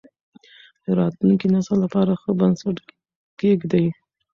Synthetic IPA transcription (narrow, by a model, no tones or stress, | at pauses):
d̪̥əɾɑt̪luŋkinasalapɑɾaxəbansaʈ | ɡeɡd̪aj